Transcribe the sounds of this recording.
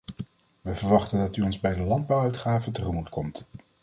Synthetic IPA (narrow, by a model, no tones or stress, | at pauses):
ʋəvəɹʋɑχtəndɑtyɔnzbɛjdəlɑnd̚bɑwœɥtχaːvətəχəmutkʰɔmt